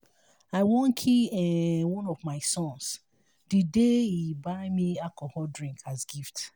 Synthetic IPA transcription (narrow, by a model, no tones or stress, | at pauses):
aɪwõn̩kʰiɛwɔ̃nɔvmaɪsɔ̃ns | d̥ɨdeibaɪmiakɔhɔdɹĩŋkʰazɡift